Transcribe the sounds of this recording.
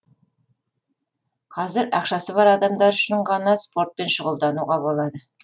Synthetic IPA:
qʰɑzɪɾɑqʃɑsəβɑɾɑd̪ɑmd̪ɑɾʏʃɪɴʁɑnɑspo̞ɾt̪̚pe̞nʃəʁəlˠd̪ɑnuʁɑbo̞lˠɑd̪ə

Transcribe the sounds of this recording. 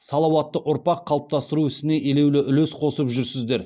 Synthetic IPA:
sɑlˠɑwɑt̪ːəʔʊɾpɑqʰːɑlˠəp̚t̪ɑst̪əɾuɪst̪ɪne̞ʔele̞wlɪʔʏlesqʰo̞səpʒʏɾsɪzd̪e̞ɾ

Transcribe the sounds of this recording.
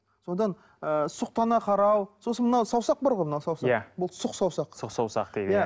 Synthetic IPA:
so̞d̪ɑn | əsʊq̚t̪ɑnɑqʰɑɾɑwso̞sənmənɑwsɑwsɑq̚bɑɾʁo̞jmənɑwsɑwsɑæbʊlˠsʊqsɑwsɑqsʊqsɑwsɑ̰qd̪̥ejd̪jæ

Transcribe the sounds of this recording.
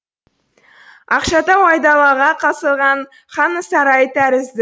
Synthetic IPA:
ɑqʃɑd̪ɑwɑjd̪ɑlˠɑʁɑqʰɑsəlˠʁɑɴ | χɑnəsɑɾɑjt̪ʰæɾɪzd̪ɪ

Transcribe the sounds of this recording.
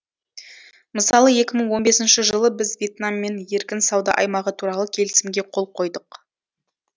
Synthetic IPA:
məsɑlˠəje̞kʲɪməɴwo̞nbe̞sɪnʃɪʒəlˠəbɪzvʲje̞t̪namːe̞nje̞ɾkʲɪnsɑwd̪ɑ̰ʔɑjmɑʁət̪ʰuɾɑlˠəkʲʰe̞lɪsɪmɡʲe̞qʰo̞lˠqʰo̞jd̪əq

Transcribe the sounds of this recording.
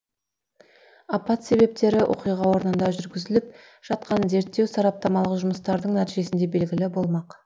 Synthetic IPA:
ɑpɑt̪se̞βe̞p̚t̪e̞ɾɪʔo̞̰qijʁɑwo̞ɾənənd̪ɑʒʏɾɡʲɪzɪlɪp̚ | ʒ̥ɑt̪̚qɑnze̞ɾt̪ːe̞wsɑɾɑp̚t̪ɑmɑlˠəqʒʊməst̪ɑɾd̪əɴnæt̪iʒe̞sɪnd̪e̞be̞lɡʲɪlɪbo̞lˠmɑq

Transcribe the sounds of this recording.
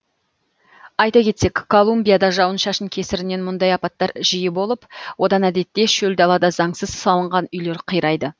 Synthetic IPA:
ɑjt̪ɑkʲʰe̞t̪se̞kʲkʰːo̞lˠumbʲijad̪ɑʒɑwənʃɑʃənkʲʰe̞sɪɾɪne̞nmʊnd̪ɑjɑpɑt̪ːɑɾʒijɪbo̞lˠəpwo̞d̪ɑnæd̪e̞t̪ːe̞ʃɵld̪ɑlˠɑd̪ɑzɑŋsəz̥sɑlˠəɴʁɑnʏjle̞ɾqʰəjɾɑjd̪ə

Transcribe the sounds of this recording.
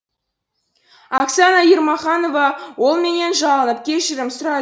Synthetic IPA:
ɑksɑnɑjiɾmɑχɑno̞vɑwo̞lˠme̞ne̞nʒɑʁənəp̚kʲʰe̞ʃɪɾɪmsʊɾɑ

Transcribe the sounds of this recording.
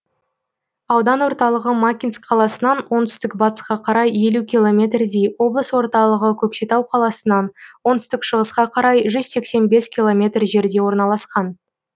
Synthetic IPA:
ɑwd̪ɑnwo̞ɾt̪ɑlˠəʁəmakʲinskqʰɑlˠɑsənɑnwo̞nt̪ʰʏ̥st̪ɪkbɑt̪ə̥sqɑqʰɑɾɑje̞lukʲilˠo̞mʲe̞t̪rd̪ejwo̞blˠəswo̞ɾt̪ɑlˠəʁəkʲʰɵkʃe̞t̪ɑwqʰɑlˠɑsənɑnwo̞nt̪ʰʏst̪ɪkʃəʁəsqɑqʰɑɾɑjʒʏzse̞kse̞nbe̞skʲilˠo̞mʲe̞t̪rʒe̞ɾd̪e̞wo̞ɾnɑlˠɑsqɑn

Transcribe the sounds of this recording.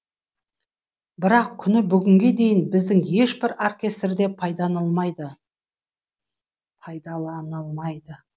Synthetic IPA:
bɪɾɑq̚kʲʰʏnɪbʏɡʲɪŋɡʲe̞d̪e̞jɪnbɪzd̪ɪŋje̞ʃbɪɾorkʲe̞st̪rd̪e̞pʰɑjd̪ɑnəlˠmɑjd̪ə | pʰɑjd̪ɑlˠɑnəlˠmɑjd̪ə

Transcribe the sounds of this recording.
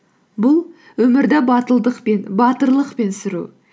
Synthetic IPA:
bʊlˠ | wɵmɪɾd̪æbɑt̪əlˠd̪əqpe̞nbɑt̪əɾlˠəqpe̞nsɪɾṵ

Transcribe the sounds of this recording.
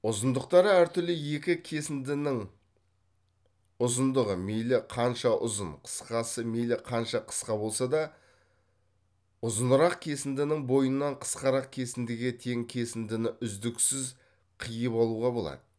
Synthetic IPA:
ʊzənd̪əqt̪ɑɾəæɾt̪ʏɾlɪje̞kʲɪkʲʰesɪnd̪ɪnɪŋ | ʊzənd̪əʁəmejlɪqʰɑnʃɑʔʊ̰zənqʰə̥sqɑsəmejlɪqʰɑnʃɑqʰə̥sqɑbo̞lˠsɑd̪ɑ | ʊzənəɾɑqkʲʰe̞sɪnd̪ɪnɪŋbo̞jənːɑɴqʰə̥sqɑɾɑq̚kʲʰe̞sɪnd̪ɪɡʲe̞t̪ʰe̞ŋkʲʰe̞sɪnd̪ɪnɪʔʏzd̪ɪksɪz | qʰijəpɑlˠuʁɑbo̞lˠɑ̰d̪ə

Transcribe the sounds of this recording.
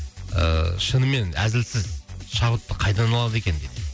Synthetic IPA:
ə̰ʃənəme̞næ̰zɪlsɪzʃɑbət̪ːəqʰɑjt̪ɑnɑlˠɑd̪əekʲe̞nd̪ejd̪ɪ

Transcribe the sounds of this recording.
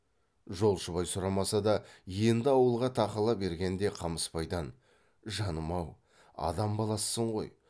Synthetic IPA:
ʒo̞lˠʃəβɑjsʊɾɑmɑsɑd̪ɑje̞nd̪ɪɑwəlˠʁɑt̪ʰɑqəlˠɑbe̞ɾɡʲe̞nd̪e̞qʰɑməspɑjd̪ɑn | ʒɑnəmɑw | ɑ̰d̪ɑmbɑlˠɑsːəɴʁo̞̰j

